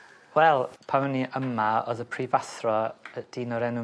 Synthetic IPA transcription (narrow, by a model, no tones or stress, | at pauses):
wɛlˠpʰaəniʔəmaɔ̰ðəpʰrivasrɔəd̥iːnɔɾɛnʊ